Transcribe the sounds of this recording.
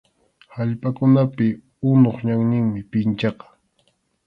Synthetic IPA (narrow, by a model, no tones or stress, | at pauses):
haʎpʼakʊnapɪ | ʊnoχɲaŋɲɪŋmɪpɪnt͡ʃɑqɑ̥